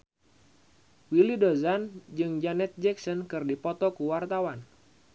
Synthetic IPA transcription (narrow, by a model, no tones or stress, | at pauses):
wilidozand͡ʒɨŋd͡ʒanɛt̪̚d͡ʒɛksɔnkɨrdipɔt̪ɔkuwart̪awan